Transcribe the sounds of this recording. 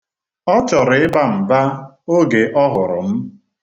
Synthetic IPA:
ɔ˦t͡ʃɔ˨ɾɪ˨ɪ˦ba˦m̩˨ba˦ | o˦ɡe˨ʔɔ˦ɦʊ˨ɾʊ̰˨m̩˦

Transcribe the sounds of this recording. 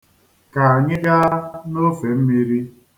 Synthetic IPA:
ka˨a˨ɲɪ˦d͡ʒa˦no˦fe˨m̩˦mi˦ɾi˦

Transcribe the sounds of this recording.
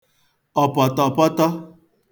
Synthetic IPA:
ɔ˨pɔ˨tɔ˨pɔ˦tɔ˦

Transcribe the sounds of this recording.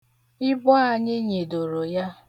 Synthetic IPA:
ɪ˦bɔ˦a˨ɲɪ˦ɲe˨do˨ɾo˨ja˦

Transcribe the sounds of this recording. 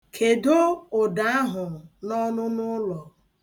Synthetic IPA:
kʰe˨do˦ʊ˨da˨˦a˦ɦʊ˨nɔ˦nʊ˦nʊ˦lɔ˨

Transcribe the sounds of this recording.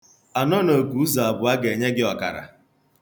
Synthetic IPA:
a˨nɔ˦no˨ku˨˦u˦za˨a˨bʊ˨a˦ɡe˨ɲe˦ɡɪ˦ɔ˨ka̰˨ɾa̰˨

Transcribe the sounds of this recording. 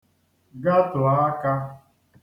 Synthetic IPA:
ɡa˦tʊ˨a˦ka˦

